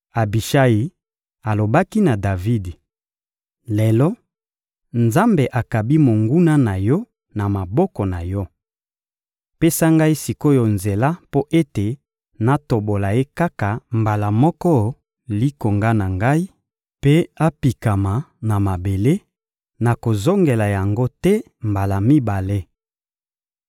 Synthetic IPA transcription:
a˨bi˨ʃa˦ji˨ | a˨lo˨ba˦ki˦na˨da˨vi˦d | le˨lɔ˦ | nza˦mbe˨ʔa˨ka˨bi˦mo˨ŋɡu˦na˦na˨jɔ˦ | na˨ma˨bɔ˦kɔ˨na˨jɔ˦ | pe˦sa˦ŋɡa˦i˦si˨ko˦jɔ˨nze˨la˦po˦ʔe˦te˨ | na˦to˨bo˨la˨je˦ka˦ka˨mba˨la˨mɔ˦kɔ˦ | li˦ko˨ŋɡa˦na˨ŋɡa˦i˦ | pe˦a˦pi˨ka˨ma˨na˨ma˨be˨le˦ | na˨ko˨zo˦ŋɡe˨la˨ja˨ŋɡo˦tɛ˦ | mba˨la˨mi˦ba˨le˦

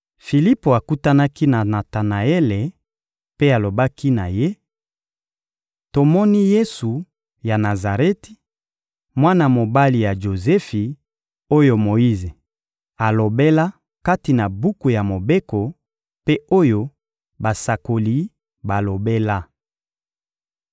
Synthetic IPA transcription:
fi˨li˦po˨a˨ku˦ta˦na˦ki˦na˨na˨ta˨na˨e˦le˨ | pe˦a˨lo˨ba˦ki˦na˨je˦ | to˨mɔ˦ni˦je˦su˨ | ja˨na˨za˨ʁɛ˦ti̥˨ | mwa˦na˨mo˨ba˦li˨ja˨ʒo˨zɛ˦fi˨ | o˦jo˨mo˨i˦ze˨ | a˨lo˨be˦la˦ | ka˦ti˨na˨bu˦ku˨ja˨mo˨be˦ko˨ | pe˦o˦jo˦ | ba˨sa˨ko˨li˦ | ba˨lo˨be˦la˦

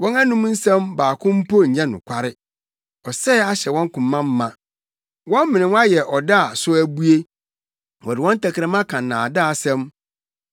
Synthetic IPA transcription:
wɔ̃˦na˦nũ˦m˦n̩˦sɛ̃˦mbaː˨kʰʊ̃˦m̩˦pʰo˦ɲ̩˨ɲɛ̃˦nʊ̰̃˨kʷʰa˦ɾɪ˦ | ɔ˨sɛ˦a˦ɕɛ˨wɔ̃˦ŋ˦kʊ̃˨mːã˦mː˦ã˨ | wɔ̃˦m˦mɪ̃˨nɪ̃˨wa˦jɛ˨ʔɔ˨da˦a˨sʊ˦æ˦bu˦e˦ | wɔ˨dɪ˨wɔ̃˦n˦tʰæ˨kʰɪ˨ɾɛ˦mã˦kʰã˨n̩˨nãː˨da˦a˨sɛ̃˦m

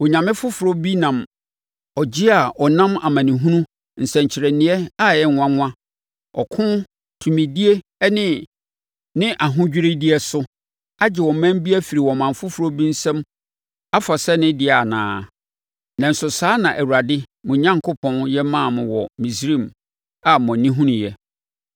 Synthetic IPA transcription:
wɔ˨ɲã˨mɪ̃˦fʊ˦fʊ˨ɾo˦bi˦nã˨m | ɔ˨d͡ʑi˦a˨ʔɔ˨nã˦ma˨mã˨nĩ˨ɦũ˦nũ˦ | n̩˨sɛ̃˨ɲ˨t͡ɕʰɪ˨ɾɛ˨nɪ̃˨ɛ˦a˦jɛ˦˨ŋʷ˨ã˦ŋʷ˦ã˦ | ɔ˨kʰʊ̃˦ | tʰu˨mĩ˨di˦e˦ | nɪ̃˦ | nɪ̃˦ʔa˨ɦʊ̃˦d͡ʑᶣɾe˦di˦ɛ˦sʊ˦ | a˦d͡ʑɪ˨wɔ̃˨m˨mæ̃˦m˦bi˦æ˦fi˨ɾi˨wɔ̃˨mã˨m˨fʊ˦fu˨ɾo˦bĩ˦n̩˦sɛ̃˦m | a˦fa˨sɛ˦nɪ̃˦dɪ˦a˨nã̰ː˨˦ | nã˨n̩˨sʊ˨saː˦nã˨ʔæ˨wu˨ɾa˨dɪ˦ | mʊ̃˨ɲã˦ŋkʰʊ˦pʰɔ̃˦njɛ˦mã˦˨mʊ̃˨wɔ˨mĩ˨s̬ɾĩ˦˨m | a˨m˨ɔ̃˨nĩ˦ɦũ˦nũ˨jɛ˦

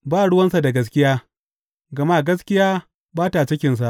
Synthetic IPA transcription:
baː˦˨ɽʊ˦wɐ˦nsa˨da˨ɡɐ˦s̬kʲɪ˦jaː˦ | ɡɐ˨maː˦˨ɡɐ˦skʲɪ˦jaː˦ | baː˦ta˨t͡ʃɪ˦kʲɪ˨ns̬a˨ʔ

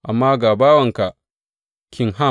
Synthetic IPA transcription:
ʔa˨mːaː˦ɡa˨baː˦wɐ˨ŋka˨ | kʲʰi˦ŋɦa˦˨

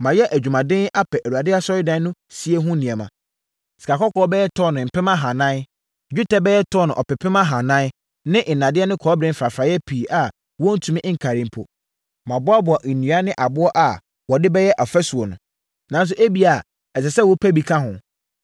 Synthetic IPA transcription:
mã˨jɛ˦ʔæ˨d͡ʑᶣu˨mã˨dɪ̃˦a˦pʰɛ˨ʔæ˨ɾu˨a˨dɪ˦a˦sɔ˦ɾɪ˦dã˦nʊ̃˦si˦e˦ɦʊ̃˦nĩ˨ɛ˨mã̰˨ | si̥˨kʰa˨kʰɔ˦kʰɔː˦bɛ˦jɛ˦tʰɔ˦˨nʊ̃˨m̩˨pʰɪ˦mã˦ɦã˨nã˦n˦ | d͡ʑᶣu˦tɛ˦bɛ˦jɛ˦tʰɔ˦nʊ̃˨ʔɔ˨pɪ˨pʰɪ˦mã˦ɦã˨nã˦n˦ | nɪ̃˦ʔɪ˨nã˨dɪ˦ɛ˦nɪ̃˦kʰɔː˨˦bɾɪ̃˦m̩˦fɾa˨fɾa˨jɛ˦pʰi˨ʔa˨ | wɔ̃˦n̩˦tʰu˨mɪ̃˦ʔŋ̩˨kʰa˨ɾɪ̃˦m˦pʰʊ̰˨ | mã˨bʊ˦a˦bʊ˨a˨ʔi˨nũ˨a˦nɪ̃˦ʔa˨bʊ˦ɔ˦ʔa˨ | wɔ˨dɪ˦bɛ˦jɛ˦ʔa˨fɛ˦su˨ɔ˨nʊ̃˨ | nã˨˦n˦s̬ʊ˦ʔe˦bi˦a˨ | ɛ˨sɛ˨sɛ˦wɔ˦pʰæ˦bi˨kʰã˦ɦʊ̃˨

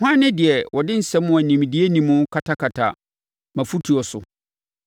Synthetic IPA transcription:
hã˦nːɪ̃˦dɪ˨ɛ˨wʔɔ˨dɪ̃˦n̩˨sɛ˦mːʊ̃˦æ˨nĩ˨m˨dɪ˦e˦nĩ˨mʊ̃˦kʰa˨tʰa˦kʰa˨tʰa̰˨ | mã˨fu˦tʰu˨ɔ˨sʊ̰˨

